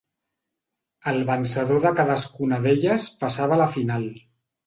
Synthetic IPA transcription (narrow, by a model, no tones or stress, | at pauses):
əlˠβənsəðoðəkaðəskunəðeʎəspəsaβələfinalˠ